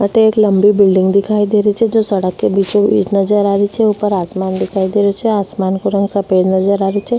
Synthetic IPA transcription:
maʈeːkləmbibɪlɖɪ̃ŋɡd̪ɪkʰaid̪eɾit͡ʃʰed͡ʒosɐɽəkːebit͡ʃoḭːd͡ʒnəd͡ʒəɾaɾit͡ʃʰeupəɾasmand̪ɪkʰaid̪eɾjot͡ʃʰeasmankuɾə̃ŋɡsəped͡ʒnəd͡ʒəɾaɾjot͡ʃʰe

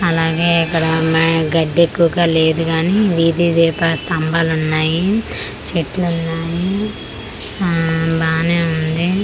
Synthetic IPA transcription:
ɐlaːɡe̞ːɐkːɐɽɐmɐɡɐɖːekːuʋɐɡaːle̞ːd̪uɡaːniʋiːd̪id̪ɛːpasʈ̪ɐmbaːlunːaːji | t͡ʃeʈlunːaːji | baːneːund̪i

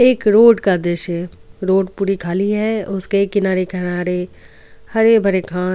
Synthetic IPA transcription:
eːkɾoːɖkad̪eʃɛɾoːɖpuːɾikʰaːliɦɛʊskekɪnaːɾekɐnaːɾe | hɐɾebʱɐɾekʰãː

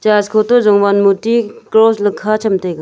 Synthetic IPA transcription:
t͡ʃaskʰɔtɔzɔŋbanmutiklɔslɐkʰːat͡ʃʰɐmtʰajɡa

